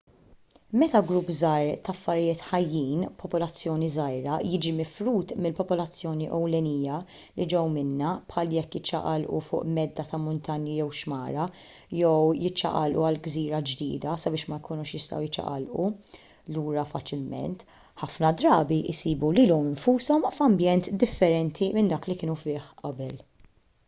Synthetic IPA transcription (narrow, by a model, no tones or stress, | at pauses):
mɛt̪ɐɡɾupːzɐːɾt̪ɐfːɐɾɪjɪːt̪ħɐjːiːnpʰɔpɔlɐt͡sːjɔːnizɐjɾɐjɪd͡ʒimɪfɾuːt̪mɪlpɔpɔlɐt͡sːjɔːniʔɔwlɛnijɐ | lid͡ʒɛwmɪnːɐpħɐːljɛkːjɪt͡ʃːɐ̰ʔɐlʔṵfʊ̰ːʔmɛd̪ːɐt̪ɐmʊnt̪ɐnjijɛwʃmɐːɾɐ | jɛwjɪt͡ʃːɐ̰ʔɐlʔuɐlɡziːɾɐd͡ʒd̪ḭːd̪ɐsɐbɪːʃmɐjkuːnʊʃjɪst̪ɐ̰wjɪt͡ʃːɐ̰ʔɐ̰lʔu | luːɾɐfɐt͡ʃɪlmɛ̰nt̪ | ħɐfnɐd̪ɾɐːbiʔɪsiːbuliːlɔmɪɱfuːsɔmfɐmbjɛnt̪d̪ɪfːɛɾɛnt̪ʰimɪnd̪ɐːklikɪːnufɪːħʔɐbɛl